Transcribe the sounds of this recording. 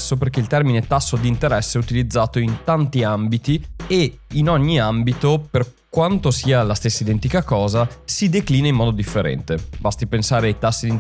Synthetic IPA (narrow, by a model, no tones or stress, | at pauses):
sːoperkeilt̪ɛrminet̪asːod̪int̪eɾɛsːeɛut̪ilid̪zːaːt̪oint̪ant̪iambit̪ieinɔɲːiambit̪operkwant̪osiːalast̪esːaid̪ɛnt̪ikakɔːzasid̪ekliːnaimːɔːd̪od̪ifːeɾɛ̰nt̪ebast̪ipensaːɾeajt̪asːid̪in